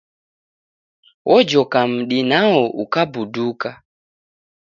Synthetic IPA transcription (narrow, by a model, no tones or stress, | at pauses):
wʔɔd͡ʒɔkam̩ɗinawɔʔṵkabuduka